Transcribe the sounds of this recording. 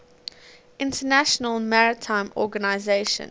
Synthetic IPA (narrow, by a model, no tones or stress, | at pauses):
ɪ̃ntʰənæʃənəlˠmaɹɪtʰãɪ̃mɔ̰ɡənaɪzeɪʃə̰̃n